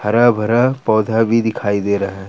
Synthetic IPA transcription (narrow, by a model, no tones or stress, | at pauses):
hɐɾabʱɐɾapɔːd̪ʱabʱid̪ɪkʰaːid̪eːɾɐɦa